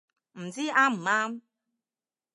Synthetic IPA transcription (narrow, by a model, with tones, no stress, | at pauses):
n̩˨d͡zi˦a˦m̩˨ma˦m˦